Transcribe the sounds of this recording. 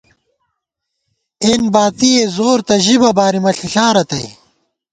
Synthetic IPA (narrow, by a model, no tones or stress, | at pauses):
enbaːt̪iezoːɾt̪ɐʑibɐbaːɾimɐɬiɬaːɾɐt̪ɐj